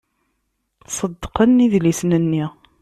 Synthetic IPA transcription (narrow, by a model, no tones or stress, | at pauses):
sˤəd̪ːqənːiðlisnənːi